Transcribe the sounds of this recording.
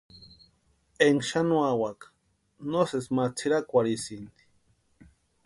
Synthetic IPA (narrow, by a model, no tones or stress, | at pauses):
eŋʃanuawakḁ | nosesmat͡sʰiɾakʷaɾisind̪i̥